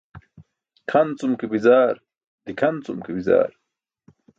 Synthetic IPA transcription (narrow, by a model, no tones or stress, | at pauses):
kʰɐnt͡sumkibizaːɾ | d̪ikʰɐnt͡sumkibiza̰ːɾ